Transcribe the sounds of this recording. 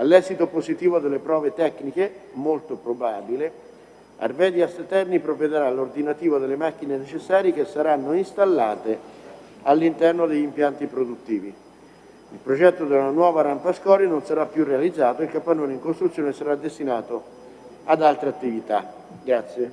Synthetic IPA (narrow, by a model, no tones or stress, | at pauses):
alːɛːzit̪opozit̪iːvod̪elːepɾɔːvet̪ɛkːnikemolt̪opɾobaːbile | a̰rvɛːd̪iast̪ɛrnipɾoved̪eɾalord̪inat̪iːvod̪elːemak̟ːinenet͡ʃesːaːɾjikesːaɾanːoist̪alːaːt̪e | alːint̪ɛrnod̪eʎːimpjant̪ipɾod̪ut̪ːiːvi | ilpɾod͡ʒɛt̪ːod̪eunanwɔːvaɾampaskɔːɾinonsaɾapːjurealid̪zːaːt̪oilkapːanːoːneiŋkost̪ɾut̪sːjoːnesaɾad̪ːest̪inaːt̪o | ad̪alt̪ɾeat̪ːivit̪a̰ | ɡɾat̪sːje